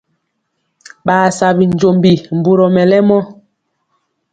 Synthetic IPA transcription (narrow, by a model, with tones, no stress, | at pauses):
ɓaː˨sa˨bi˨ɲ˨d͡ʒo˨mbi˨m̩˨bu˨ɾɔ˨mɛ˨lɛ˦mɔ˦